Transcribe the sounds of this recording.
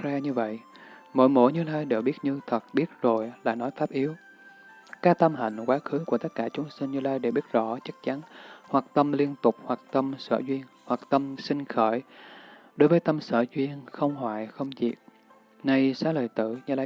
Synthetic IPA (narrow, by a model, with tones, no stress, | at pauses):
za˧ɲɨ˧və̰˧˨jʔmo̰˧˥˦jmo̰˧˥˦jɲɨ˧laː˧jɗe˨˩w̚ɓi˦˥ət̚ɲɨ˧t̪ʰə˨˩t̚ɓi˦˥ət̚zo˨˩jla̰ː˨˩nɔ˨˦jfaː˦˥p̚ʔi˨˦əw | kaː˦˥k̚t̪ə˧mɦa̰˧˨˩jŋ̟kwaː˨˦xɨ˨˦ku˧˩ət̪ə˦˥t̚kaː˧˩t͡ɕʊ˨˦ŋ͡msï˧ŋ̟ɲɨ˧laː˧jɗe˧˩ɓi˦˥ət̚zɔ̰˧˥t͡ɕa˦˥k̚t͡ɕa˨˦nhwaː˨˩k̚t̪ə˧mli˧ənt̪ʊ˨˩k͡p̚hwaː˨˩k̚t̪ə˧msə̰ː˧˩zwi˧ənhwa˨˩k̚t̪ə˧msï˧ŋ̟xəː˧˩j | ɗo˨˦jvəː˨˦jt̪ə˧msə̰ː˧˩zwi˧ənxə˧wŋ͡mhwaː˧˩˨jxə˧wŋ͡mzḭ˨˩p̚ | na˧jsaː˨˦˥ləː˨˩jt̪ɨ̰˧˩˨ɲɨ˧laː˧